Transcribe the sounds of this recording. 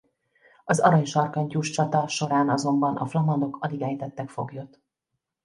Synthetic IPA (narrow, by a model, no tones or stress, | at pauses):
ɒzɒɾɒɲʃɒrkɒɲcuːʃt͡ʃɒt̪ɒʃo̞ɾaːnɒzo̞mbɒnʔɒ̰flɒmɒd̪o̞kɒliɡɛjt̪ɛt̪ːɛkfo̞ɡjo̞t̪ː